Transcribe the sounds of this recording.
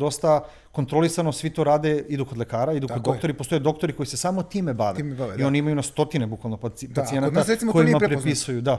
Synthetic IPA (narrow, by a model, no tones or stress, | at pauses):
d̪o̞st̪a | ko̞nt̪ɾo̞lˠisano̞sʋit̪o̞ɾaːd̪e̞id̪uko̞d̪lekaːɾaid̪ukkod̪o̞kkt̪oɾipost̪ojed̪o̞kt̪oɾiko̞ise̞saːmo̞t̪iːme̞baʋeaio̞niimajunast̪o̞t̪inebukʋalˠnoppasie̞nat̪asɾesimokojimmaɾpɾepisujud̪a